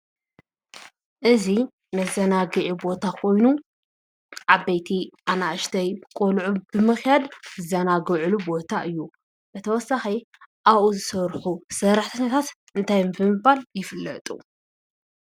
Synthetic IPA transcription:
ʔɨzi | nɐzɐnaɡɨʕibo̞t̪ʰakʰo̞jnu | ʕabːɐjt̪ʰiʔanaʔɨʃt̪ʰɐjkʼolʕubɨmɨxjad̪zɨzɐnaɡɨʕɨlubo̞t̪ʰaʔɨjːu | b̥ɐt̪ʰɐwɔsːaxi | ʔaβʔuzɨsɐɾħusɐɾaħt̪ʰɐɲːɐt̪ʰat̪ | ɨnt̪ʰajmbɨmɨbaljɪfɨlːɐ̰t̪ʼṵ

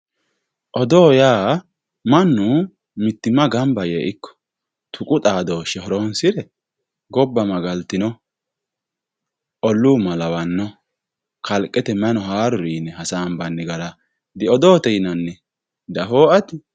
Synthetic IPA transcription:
ʔɔd̪oːjaː | mɐnːʊ | mɪt̪ːɪmɐɡɐmbɐjeːʔɪkːɔ̥ | t̪ʰʊkʼʊt̪ʼaːd̪oːʃɛhɔɾoːnsɪɾɛ | ɡɔbːɐmɐɡɐlt̪ɪnɔ | ʔɔlːuːmɐlɐwɐnːɔ | kʰɐlkʼːɛt̪ɛmɛnɔɦaːɾʊɾiːnɛhɐsaːmbɐnːɪɡɐɾɐ | d̪ɪɔd̪oːt̪ɛjɪnɐnːɛ | d̪ɐɦoːɐt̪ɪ

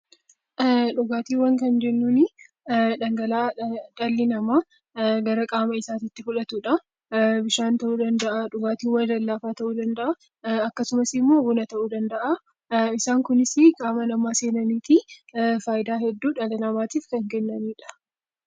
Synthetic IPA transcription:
ʔᶑʊɡaːt̪iːwɐŋkɐnd͡ʒɛnːuːnɪ | ᶑɐŋɡɐlaːᶑɐlːɪnɐmaː | ɡɐɾɐkʼaːmɐɪsaːt̪ɪt̪ːɪfʊᶑɐt̪uːᶑɐ | bɪʃaːnt̪ɐʔuːd̪ɐnd̪ɐʔɐᶑʊɡaːt̪iːwɐlɐlːaːfaːt̪ɐʔuːd̪ɐnd̪ɐʔɐ | ɐkːɐsʊmɐsɪmːoːɡʊnɐt̪ɐʔuːd̪ɐnd̪ɐʔɐ | ɪsaːŋkʊnɪsɪkʼaːmɐnɐmaːse̞ːnɐniːt̪ifaːjɪd̪aːhɛd̪ːuːᶑɐlɪnɐmaːt̪iːfkɐŋkɛnːɐniːᶑɐ̥

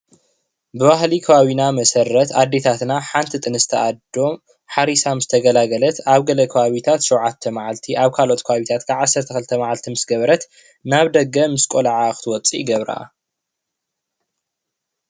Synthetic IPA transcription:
bɨβaɦlikʰɐβaβinamɐsɐɾːɐt̪ad̪ːet̪ʰat̪naħant̪ʰit̪ʼɨnɨzɨt̪ʰɐʔad̪o̞m | ħaɾisamzɨt̪ʰɐɡɐlaɡɐlɐt̪aβɡɐlɐkʰɐβaβit̪ʰat̪ʃɛwʕat̪ʰːɐmaʕalt̪ʰiʔaβkʰalo̞t̪kʰɐβaβit̪ʰat̪kʰaʕasːɐɾt̪ʰɐxɨlt̪ʰɐmaʕalt̪ʰimɨsɡɐβɐɾɐt̪ | naβd̪ɐɡɐmɨskʼolaʕaxɨt̪ʰɨwɔt͡sʼḭɡɐβɾa̰

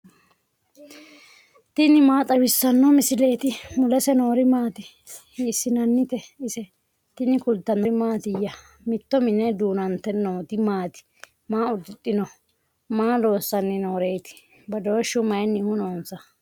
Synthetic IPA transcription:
t̪ɪnɪmaːt̪ʼɐwɪsːɐnːɔmɪsɪle̞ːt̪ɪmʊlɛsɛnoːɾɪmaːt̪ɪ | hsːɪnɐnːɪt̪ɛɪsɛ | t̪ɪnɪkʊlt̪ːɐnːɔmaːt̪ɪjːɐ | mɪt̪ːɔmɪnːɛd̪uːnɐnt̪ɛnoːt̪ɪmaːt̪ɪ̥ | maːʊd̪ɪt̪ʼːɪnɔ | maːlo̞ːsːɐnːɪnoːɾeːt̪ɪ̥ | bɐd̪o̞ːʃːʊmɐjnːɪhʊnoːnsɐ

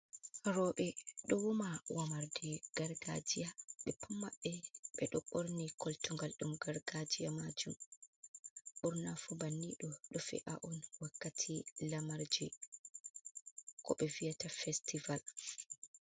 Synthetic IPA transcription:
haɾɔɓɛɗɔwumawamaɾdɛɡ̥aɾɡa̰d͡ʒijaɓɛpumːaɓːɛɓɛɗɔɓoɾnikɔltuŋɡalɗumɡaɾɡad͡ʒijamad͡ʒum | ɓuɾnafubanːiɗɔɗɔfɛ̰ʔaʔɔnwakːatʰilamaɾd͡ʒi | kɔ̰ɓɛvijatafɛstival

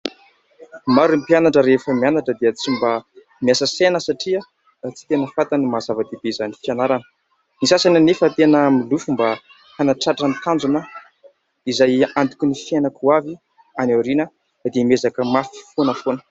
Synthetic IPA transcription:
maɾumpianaʈ͡ʂəɾefəmianaʈ͡ʂəd̪eət͡simba | miasəsenəsaʈ͡ʂiə | t͡si̥t̪enəfat̪animazavad̪ebeizanifianaɾanə̥ | nisasananefət̪enəmilufumba | hanaʈ͡ʂaʈ͡ʂənt̪and͡zunə | izajant̪i̥kʲunifienəkuavi | anaɾinə | d̪emezakəmafi̥fonəfonə̥

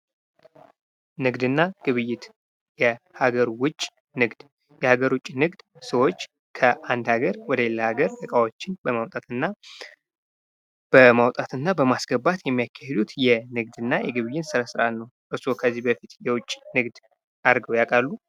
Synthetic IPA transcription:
nɨɡd̪ɨnːaɡ̥ɨβɨjːɪt̪ | jɛ | haɡəɾwʊt͡ʃʼː | nɨɡd̪̥ | jɛhaɡəɾwʊt͡ʃʼinɨɡd̪̥səwo̞t͡ʃː | kʰəʔand̪haɡəɾwɔd̪əjelːəhaɡəɾʔ̪ɨkʼawo̞t͡ʃːɪnbəmawt̪ʼat̪ɨnːa | b̥əmawt̪ʼat̪ɨnːabəmasɡ̥əbat̪jɛmːijakʰːahed̪ut̪jɛnɨɡd̪ɨnːajɛɡɨβɨjːɪnsɨɾasɨɾalnəwʔɨsukʰəzːibəfit̪jɛwʊt͡ʃʼːnɨɡd̪ | ʔaɾɡəwjakʼalːu

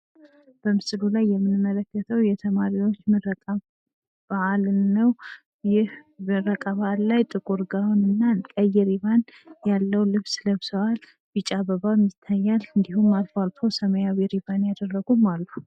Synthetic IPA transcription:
b̥əmɨsɨlulajːɛmːɨnmːələkːət̪ʰəwjɛt̪ʰəmaɾiwo̞t͡ʃːmɨɾəkʼ | baʔalnːəw | jɪhɨɾəkʼaβllajt̪ʼɨkʼuɾɡawunɨnːakʼəjɛɾiβanjalːəwlɨβsləβsəwal | bit͡ʃʼaβəβamɨt̪ʰːajːalɨnd̪ihumːalfalt̪ʰowsəməjawiɾiβanjad̪ərːəɡumalːu

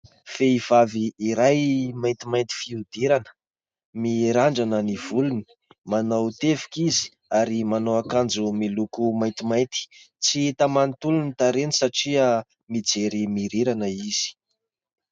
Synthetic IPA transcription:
feiv̥aviːɾajmajnt̪imajnt̪i̥fiud̪iɾanə̥ | miɾaɳɖ͡ʐanəniv̥uluni̥ | manowt̪evi̥kizi̥ | aɾimanoakand͡zumilukumajnt̪imajnt̪i̥ | t͡sit̪amanit̪ulunit̪aɾenisaʈ͡ʂiə | mid͡zeɾimiɾiɾanəiz̥i̥

